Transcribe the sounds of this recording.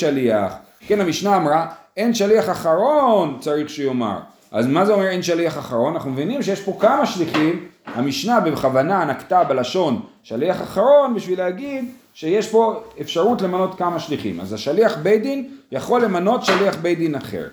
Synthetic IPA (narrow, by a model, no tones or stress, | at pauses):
ʃaliaχ | kenamiʃnaːmʁae̞nʃaliaχaχaʁo̞nt͡saʁiχʃejo̞ma̰ʁ | ʔa̰zmazeo̞me̞enʃaliaχaχaʁo̞nanaχnumevinimʃejeʃpo̞kamaʃliχimhamiʃnabeχavananakt̪abelaʃo̞n | ʃaliaχaχaʁo̞nbiʃvilehaɡid̪ | ʃe̞jeʃpo̞efʃaʁutle̞mano̞t̪kamaʃliχḭma̰zaʃaliaχbejd̪injaχo̞lːe̞mano̞tʃaliaχbejd̪inaχḛʁ